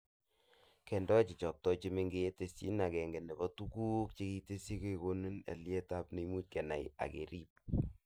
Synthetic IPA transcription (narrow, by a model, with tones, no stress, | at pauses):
kɛ˨ndɔ˦t͡ʃi˨t͡ʃɔ˨k̚tɔ˦t͡ʃe˦me˦ŋɡe˦e˦te˨sḭ˦na˨kɛ˨ŋɡe˨ne˨bɔ˦tu˦ku˦k̚t͡ʃe˦ki˦te˦si˦ke˦ko˦nu˦nḛ˨lje˦ta˦pne˨i˦mu˦t̚kɛ˨na̰˨ja̰˨kḛ˨ɾi˦p̚